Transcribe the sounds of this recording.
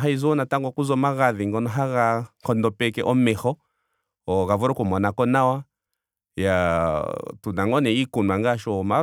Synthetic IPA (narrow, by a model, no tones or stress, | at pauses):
ɦaizɔɔnataŋɡwɔkuzɔmaɣaðiŋɡɔnɔɦaɣaŋkɔndɔpɛkɛʔɔmɛhɔ | ɔɣavɔɾɔkɔmɔnakɔnawa | ja | tunaŋɡɔnɛikunaŋɡaʃɔma